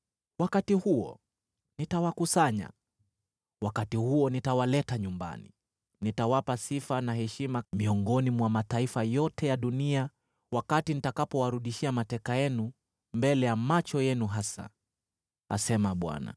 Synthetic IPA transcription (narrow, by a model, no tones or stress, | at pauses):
wakatihuɔ̰ | nitawakusaɲa̰ | wakatihuɔnitawalɛtaɲumba̰nḭ | nitawapasifanaɦɛʃimamiɔŋɡɔnimwamataifajɔtɛjaɗunia | wakatinitakapɔwaɾuɗiʃiamatɛkajɛnu | mbɛlɛjamat͡ʃɔjɛnuɦasa̰ | a̰sɛmaɓwa̰na̰